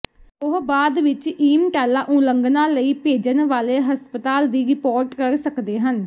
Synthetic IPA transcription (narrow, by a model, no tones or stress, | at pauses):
ʊɦbaːd̪ʋɪt͡ʃiːmʈaːlaːʔũːləŋɡnãːləiːpeːd͡ʒənʋaːleːɦəspət̪aːld̪iːɾɪpoːɾʈkəɾsəkd̪eːɦən